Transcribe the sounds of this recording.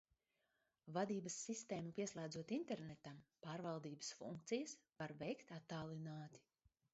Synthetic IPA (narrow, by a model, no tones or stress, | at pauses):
vad̪iːbɐsːist̪eːmupiɛslˠæːd̪zuɔt̪int̪ɛɾnɛt̪ampaːɾvalˠd̪iːbə̥sfṵŋk̚t̪sijɐsvaɾvɛjkt̪at̪ːaːlˠinaːt̪i̥